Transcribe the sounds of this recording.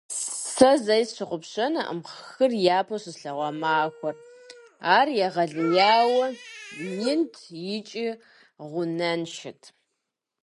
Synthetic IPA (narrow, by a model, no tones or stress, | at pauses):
sɐzɐjɕɨqʷʊpɕɐnɐʔə̰mχxɨrjaːpʰɐsɨzɬɐʁʷɔmaːxʷɔr | aːrjɛʁɐɮɨjaːwɐnɪntʰjɪt͡ʃʼi | ʁʷʊnɐnʃɪtʰ